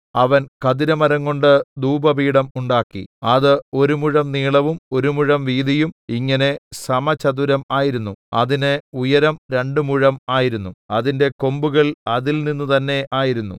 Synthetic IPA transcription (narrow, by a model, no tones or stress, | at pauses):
ɐʋɐnkɐðiɾɐmɐɾɐŋːo̞ɳɖɨd̪uːbɐbiːɽɐmuɳɖaːkːḭɐðɨo̞ɾumuɻɐmniːɭɐʋumo̞ɾumuɻɐmʋiːd̪ijumiŋːɐne̞sɐmɐt͡ɕɐd̪uɾɐmaːjiɾunːuɐ̰ðinɨujɐɾɐmɾe̞ɳɖɨmuɻɐmaːjiɾunːuɐðinde̞ko̞mbuɣɐɭɐðilninːut̪ɐnːe̞ʔaːjiɾunːṵ